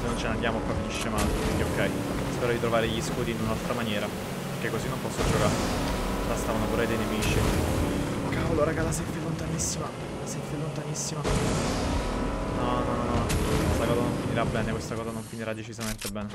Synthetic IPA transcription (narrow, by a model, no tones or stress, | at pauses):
senːont͡ʃenand̪jaːmoakwafːiniʃːemaːlekeokːɛj | spɛːɾod̪it̪ɾovaːɾeʎːiskuːd̪iːnunalt̪ɾamanjɛːɾa | peɾkekːozinːompɔsːod͡ʒokait̪ast̪aːvanopuɾed̪ejnemiːt͡ʃi | kawlːoːɾakalas̬evelːont̪anisːima | lasevelːont̪anisːima | nɔnɔnnɔkwest̪akɔːzanoɱfiniɾabːɛːnekwest̪akɔːzanoɱfiniɾad̪ːet͡ʃizament̪ebɛːne